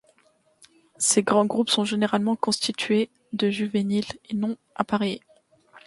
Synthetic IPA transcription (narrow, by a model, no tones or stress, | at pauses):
seɡʁɑ̃ɡʁupsɔ̃ʒeneʁalmɑ̃kɔ̃st̪it̪ɥe | d̪əʒyvenilenɔ̃ | apaʁe